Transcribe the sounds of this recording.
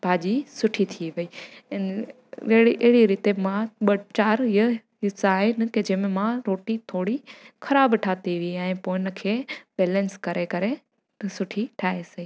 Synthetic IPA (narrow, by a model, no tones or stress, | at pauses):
bʱaːd͡ʑisʊʈʰit̪ʰiʋɐi | ɽiʔɐɦɪɽiɾɪt̪emãɓɐt͡ɕaːɾjə | ɪsaːɦenɪked͡ʒeːmẽmãɾoːʈit̪ʰoːɽixʰɐɾaːbʈʰaːt̪iʋiiɛ̃ːpoːɪnəkʰeːbɛːlə̃nskɐɾʔekɐɾe | sʊʈʰiʈʰaːɦeseiː